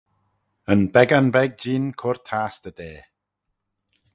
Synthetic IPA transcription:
ənbɛɡanbɛɡ̚d͡ʒiːnkʰʊrtʰaːst̪ədeː

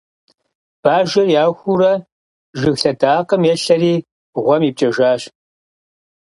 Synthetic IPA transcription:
b̥aːʒɐrjaːxʷuɾɐ | ʒɨxɬɐdaːqəmjɛɬɐriː | ʁʷɔmiːp̚t͡ʃʼɐʒaːɕ

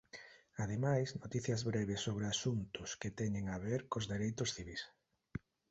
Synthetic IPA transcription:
að̞emajsnot̪iθjɐzβɾɛβɪsːoβɾeasunt̪ʊsket̪ɛɲeŋaβeɾkozðeɾejt̪ʊsθiβis

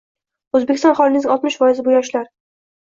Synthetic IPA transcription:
ɵzbekʲɪst̪ɒ̃nχɒlˠɪnɪzɪŋʔɒt̪mɪʃvɒjɪzɪbʊjɒʃlaɾ

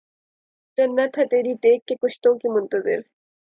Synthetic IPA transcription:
d͡ʒɐnːət̪ɦɐt̪eːɾid̪eːkːekʊʃt̪õkimʊ̃nt̪əzɪ̰ɾ

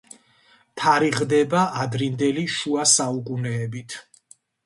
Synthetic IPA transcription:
t̪ʰaɾiʁd̪ɛbaʔad̪ɾind̪ɛliʃuasaukʼunɛːbit̪ʰ

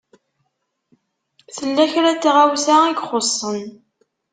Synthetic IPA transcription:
θəlːæçɾæt͡sːʁawθaiɡχosˤːən

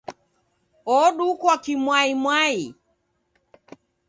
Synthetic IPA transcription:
ɔɗukwakimwaimwai

